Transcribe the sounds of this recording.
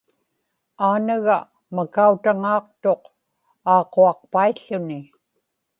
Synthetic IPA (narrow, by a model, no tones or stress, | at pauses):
aːnaɣa | makaut̪aŋɑːqt̪o̞q | ɑːqoɑq̚paiɬːʊnɪ